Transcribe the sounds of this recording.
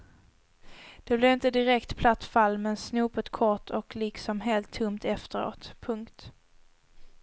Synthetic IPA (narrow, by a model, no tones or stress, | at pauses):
d̪̥ɛblɛvɪnt̪əd̪ɪɾɛkt̪pʰlat̪ːfalːmɛnsnuːpət̪kʰɔʈʰɔklɪksɔmɦeːlt̪ʰːɵmt̪ɛft̪əɾo̰ːt̪pʰɵŋkt̪